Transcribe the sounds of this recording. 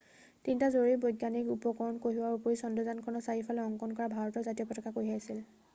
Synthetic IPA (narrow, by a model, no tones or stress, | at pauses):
tintazoɹibojdɡanikupɔkɔɹɔnkoɦiwaɹupoisɔndɔzankʰɔɹnɔsaɦifʰalɛɔŋkɔnkɔɹabʱaɹɔtɔzatiɔpɔtʰɔkakoɦiaasil